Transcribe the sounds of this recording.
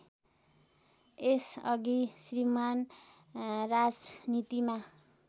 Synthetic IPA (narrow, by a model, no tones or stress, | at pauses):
esʌɡisriman | rad͡znit̪ima